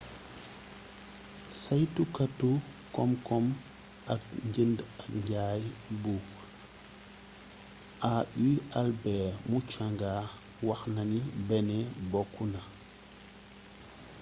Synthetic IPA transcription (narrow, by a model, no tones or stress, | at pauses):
sajtukatːukɔmkɔm | ak̚ɲɟindakɲɟaːjbuk | ʔaʔialbɛːmut͡ʃaŋɡa | wɐxnɐnibɛnɛbɔkːuna